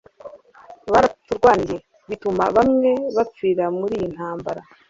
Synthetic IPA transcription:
βaɾatuɾɡwaːɲɟe | βituma̰βamŋe̞βap͡fiɾamuɾiːjin̥haːmbaɾa

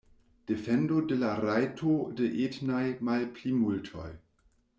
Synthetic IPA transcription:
d̥efendodelaɾajtʰodeʔetnajmalplimultʰo̰j

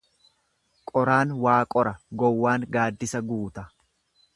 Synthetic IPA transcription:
kʼɔɾaːnwaːkʼɔɾɐɡɔwːaːŋɡaːd̪ːɪsɐɡuːt̪ɐ

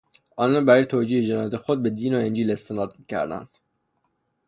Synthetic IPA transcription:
ɒːnɑnbæɾijt̪ʰod͡ʒiːhed͡ʒenɒjæt̪ʰexod̪̚bed̪iːnoend͡ʒiːlest̪ʰenɒːd̪̚mikcʰæ̰ɾd̪æ̰nd̪̥

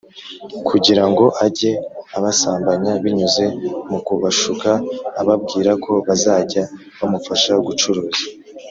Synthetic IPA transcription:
kʰuɟiɾaŋɡo̞ʔaɟe̞aβasaːmbaɲaβiɲuze̞mukuβaʃukaːβab̚ɡiːɾakʰo̞βazaːɟa | βamufaʃaɡut͡ʃoɾoːzḁ

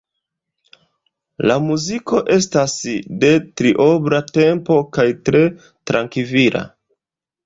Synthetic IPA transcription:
lamuziko̞ʔe̞stasde̞tɾiʔo̞bɾate̞mpo̞kajtɾe̞ | tɾaŋkiviɾa̰

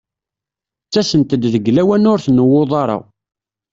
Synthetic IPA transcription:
t͡sːæsənt̪əd̪ðəɡlæwænʊɾθnːəwːʊðˤɑɾˤɑ̰

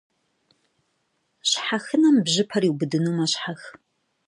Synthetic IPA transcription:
ɕħaxɨnɐmbʑɪpʰɐriwbɨdɨnumɐɕħax

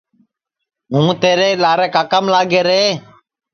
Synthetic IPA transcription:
ɦũːt̪eːɾeːlaːɾeːkaːkəmlaːɡeːɾeː

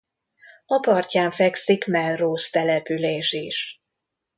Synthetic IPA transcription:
ɒpɒrcaːɱfɛksikmɛlroːst̪ɛlɛpyleːʃiʃ

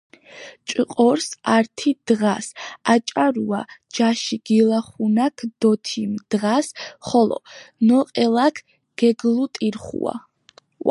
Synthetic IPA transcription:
t͡ʃʼqʼɔɾsaɾt̪ʰid̪̥ʁasat͡ʃʼaɾua̰d͡ʒaʃiɡ̥ilˠaχunakʰd̪̥ɔt̪ʰimd̪̥ʁasχɔlɔ̰nɔqʼɛlˠakʰ | ɡ̥ɛɡlˠut̪ʼiɾχṵa̰

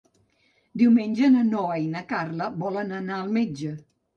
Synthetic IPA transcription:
d̪iwmenʲd͡ʒənənɔəinəkarləbɔlənənaəlˠmed͡ʒə

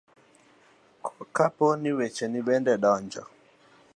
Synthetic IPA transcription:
kʰɔkapɔniwɛt͡ʃɛniɓɛndɛɗɔnd͡ʒɔ̰

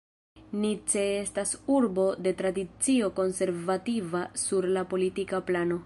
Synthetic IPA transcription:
nit͡se̞estasuɾbo̞de̞tɾadit͡sio̞ko̞nse̞ɾvativasuɾlapo̞litikaplano̞

